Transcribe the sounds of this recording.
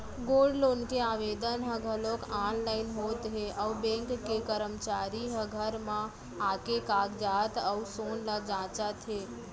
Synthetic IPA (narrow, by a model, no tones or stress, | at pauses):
ɡoɖloːnkeaʋed̪ənɦəɡʱəlokanlaɪnɦot̪ɦeʔəubẽŋkːekəɾəmt͡ʃaɾiɦəɡʱəɾmã | akekaɡd͡ʒat̪əusonləd͡ʒãt͡ʃat̪ʰɦe